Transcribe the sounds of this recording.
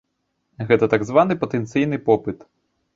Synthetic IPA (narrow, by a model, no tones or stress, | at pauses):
ɣɛt̪ɐt̪aɡzʋanɨpɐt̪ɛnt̪sɨjnɨpɔpɨt̪